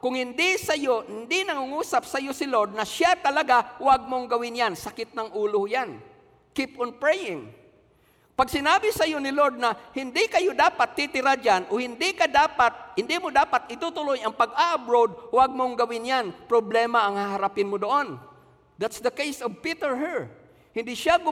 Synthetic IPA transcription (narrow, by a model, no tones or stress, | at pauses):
kʊŋhɪnd̪ɪsɐjohɪnd̪ɪnɐŋuŋuːsap̚sɐjosɪloɹd̪̚nɐʃjat̪ɐlɐɡawaɡ̚moŋɡɐwɪnjansakɪt̪̚nɐŋʔuːlʊjan | kipɔnpɹɛjɪŋ | paɡ̚sɪnaːbɪsɐjonɪloɹd̪̚nɐhɪnd̪ɪkɐjod̪aːpat̪ːɪt̪ɪɾad͡ʒanʔohɪnd̪ɪkad̪apat̪̚hɪnd̪ɪmʊd̪aːpat̪ɪt̪ut̪ʊlojɐŋpɐɡ̚aʔɐbɾowd̪̚waɡ̚moŋɡɐwɪnjanpɾoblɛːmaɐŋhaɦaɾapɪnmʊd̪oʔon | d̪at̪sd̪ɐkejsɔvpit̪ɛɹɦɛɹ | hɪnd̪ɪʃjaɡʊ